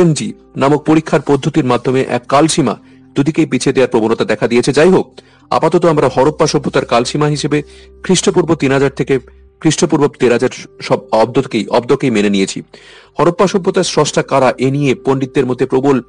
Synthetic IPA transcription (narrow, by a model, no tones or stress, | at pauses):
end͡ʑi | namok̚poɾikʰːaɾpɔd̪ʱːot̪iɾmad̪ʱːomeʔɛ̰kːalʃima̰ | d̪ud̪ikejpit͡ɕʰed̪eaɾpɾobonot̪ad̪ɛkʰad̪iet͡ɕʰed͡ʑajɦok̚ | a̰pat̪ɔt̪oamɾahɔɾopːaʃɔbʱːot̪aɾkalʃimaɦiʃebe | kʰɾiʃʈop̬uɾbot̪inɦad͡ʑaɾt̪ʰeke | kʰɾiʃʈopuɾbot̪eɾad͡ʑaɾʃɔbɔb̚d̪okejʔɔbd̪okejmenenijet͡ɕʰi | hɔɾopːaʃɔbʱːot̪aɾsɔsʈʰakaɾaʔenijepoɳɖid̪̚ːeɾmod̪ʱːepɾobol